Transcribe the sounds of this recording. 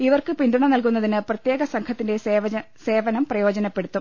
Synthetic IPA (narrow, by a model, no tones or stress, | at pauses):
iʋɐrkɨpind̪uɳɐmnɐlkunːɐðinɨprɐt̪jeːɡɐsɐŋkʰɐt̪ːinde̞ | se̞ːʋɐnɐmprɐjo̞ːd͡ʑɐnɐpːe̞ɽut̪ːum